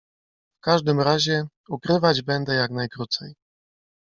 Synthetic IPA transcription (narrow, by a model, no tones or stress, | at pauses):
fkaʐd̪ɘmɾaʑɛ | ukɾɘvad͡ʑbɛnd̪ɛjaknajkɾut̪sɛj